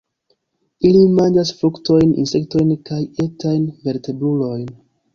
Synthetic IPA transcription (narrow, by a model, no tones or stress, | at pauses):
ilimand͡ʒasfɾukto̞jnḭnse̞kto̞jnkaje̞tajnve̞ɾte̞bɾulo̞jn